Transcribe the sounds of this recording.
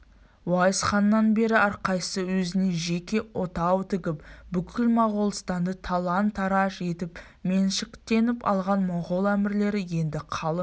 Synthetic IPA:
wɑjəsχɑnːɑnbe̞ɾɪɑɾqɑjsəwɵzɪne̞ʒe̞kʲe̞wo̞t̪ɑwt̪ʰɪɡʲɪpbʏkʲʰɪlmɑʁolˠst̪ɑnd̪ət̪ʰɑlˠɑnt̪ʰːɑɾɑʃe̞t̪ɪp | me̞nʃɪkt̪e̞nɪpɑ̰lˠʁɑnmoʁolˠæmɪɾle̞ɾɪje̞nd̪ɪqʰɑlˠə

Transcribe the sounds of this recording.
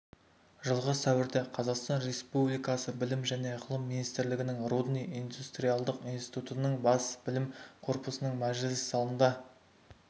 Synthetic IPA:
ʒəlˠʁəsæwɪɾd̪eqʰɑzɑqst̪ɑnɾe̞spublijkɑsəbɪlɪmʒæne̞qʰəlˠəmːinijst̪ɪɾlɪɡʲɪnɪŋrud̪nijijnd̪ust̪ɾʲijɑlˠd̪əqinst̪i̥jt̪ut̪ənəɴbɑsb̥ɪlɪmqʰo̞ɾpəsənəɴmæʒɪlɪssɑlˠənd̪ɑ

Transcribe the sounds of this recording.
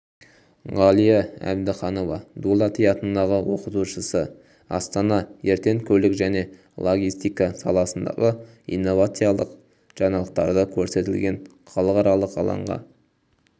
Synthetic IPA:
ʁɑlˠijɑæ̰bd̪ɪχɑno̞vɑ̰d̪ulˠɑt̪ʰijɑt̪ənd̪ɑʁəwo̞qət̪uʃəsə | ɑ̰st̪ɑnɑje̞ɾt̪e̞ŋkʲʰɵlɪkʒæne̞ | lˠo̞ɡʲist̪ijkɑsɑ̰lˠɑsənd̪ɑ̰ʁə | ḭnːo̞vat̪sɨjɑlˠəq | ʒ̥ɑnɑlˠəq̚t̪ɑɾd̪əkʲʰɵɾse̞t̪ɪlɡʲe̞ɴχɑlˠəqɑɾɑlˠəqɑ̰lˠɑ̰ɴʁɑ̰

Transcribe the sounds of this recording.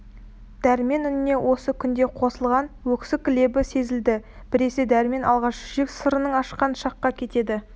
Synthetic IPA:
d̪̥æɾɪme̞nʏnɪne̞wʔo̞səkʲʰʏnd̪e̞qʰo̞səlˠʁɑnwɵkʲsɪkʲɪle̞bɪse̞zɪld̪ɪ | b̥ɪɾe̞sed̪æɾɪme̞nɑ̰lˠʁɑʃʒeksəɾənəɴɑʃqɑnʃɑqːɑkʲʰe̞t̪e̞d̪ɪ

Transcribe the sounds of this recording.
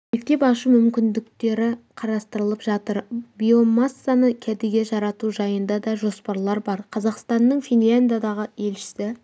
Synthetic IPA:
mek̚t̪e̞pɑʃəmʏmkʲɪnd̪ɪkt̪e̞ɾɪqʰɑɾɑst̪əɾəlˠəpʒɑt̪əɾbijo̞masːanəkʲʰæd̪eɡʲe̞ʒɑɾɑt̪uʒɑjənd̪ɑd̪ɑʒo̞spɑɾlˠɑɾbɑɾqʰɑzɑqst̪ɑnːəɴfʲinlʲand̪ijad̪ɑʁəe̞lʃɪ̥sɪ

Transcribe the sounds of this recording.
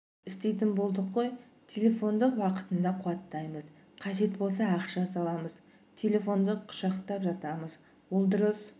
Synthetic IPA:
ɪst̪e̞jt̪ɪmbo̞lˠd̪əqːo̞j | t̪ʲʰe̞lʲe̞fo̞nd̪əqwɑqə̥t̪ənd̪ɑqʰʊwɑt̪ːɑjməz | qʰɑʒe̞t̪bo̞lˠs̬ɑɑqʃɑsɑlˠɑməz | t̪ʰe̞lʲe̞fo̞nd̪əqʰʊ̥ʃɑqt̪ɑpʒɑt̪ɑməz | bʊlˠd̪ʊɾəs

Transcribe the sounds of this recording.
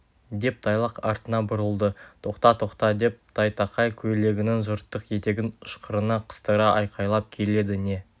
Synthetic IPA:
d̪e̞p̚t̪ʰɑjlˠɑqɑɾt̪ənɑbʊɾəlˠd̪ət̪ʰo̞qt̪ɑt̪ʰo̞qt̪ɑd̪e̞p̚t̪ʰɑjt̪ɑqɑjkʲʰɵle̞ɡʲɪnɪŋzʒʊɾt̪ːəqje̞t̪e̞ɡʲɪnʊʃqəɾənɑqʰə̥st̪əɾɑʔɑjqɑjlˠɑp̚kʲʰe̞le̞d̪ɪne̞

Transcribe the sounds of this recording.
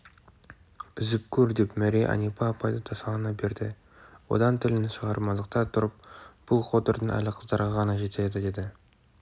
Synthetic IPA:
ʏzɪp̚kʲʰɵɾd̪e̞pmæɾejʔɑ̰nijpɑːpʰɑjd̪ət̪ʰɑsɑʁənɑbe̞ɾd̪ɪ | wo̞̰d̪ɑnt̪ʰɪlɪnɪʃəʁɑɾmɑəq̚t̪ɑt̪ʰʊɾəp̚b̥ʊlˠqʰo̞t̪əɾd̪əɴæ̰lɪqʰəzd̪ɑɾʁɑʁɑnɑʒe̞t̪ʰed̪ɪd̪e̞d̪ɪ

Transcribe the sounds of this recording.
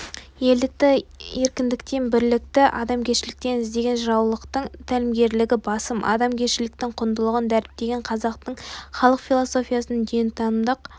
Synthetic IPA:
je̞ld̪ɪk̚t̪ɪe̞ɾkʲɪnd̪ɪkt̪e̞nbɪɾlɪk̚t̪ɪʔɑd̪ɑmkʲʰe̞ʃɪlɪk̚t̪e̞nɪzd̪e̞ɡʲe̞nʒɾɑwlˠəqt̪əɴt̪ʰælɪmɡʲe̞ɾlɪɡʲɪbɑsəmʔɑ̰d̪ɑmkʲʰeʃɪlɪk̚t̪ɪɴqʰʊnd̪əlˠəʁənd̪æɾɪp̚t̪e̞ɡʲe̞ɴqʰɑzɑqt̪əɴχɑlˠəqfʲilˠoso̞fʲijɑsənd̪ejnt̪ʰɑnmd̪əq

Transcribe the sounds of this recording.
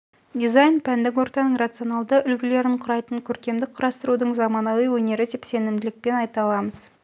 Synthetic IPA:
d̪izajnpʰænd̪ɪkwo̞ɾt̪ɑnəɴrat̪sɨonɑlˠd̪əʔʏlɡʲɪle̞ɾɪɴqʰʊɾɑjt̪əɴkʲʰɵɾkʲe̞md̪ɪk̚qʰʊɾɑst̪əɾud̪əɴzɑmɑnɑwijwɵne̞ɾɪt̪ʰepse̞nɪmd̪ɪlɪk̚pe̞nɑjt̪ɑlˠɑməz̥

